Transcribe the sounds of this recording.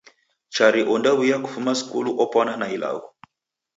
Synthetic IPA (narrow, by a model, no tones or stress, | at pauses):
t͡ʃaɾiʔɔndawijaku̥fumasi̥kṵluʔɔpwananaila̰ɣɔ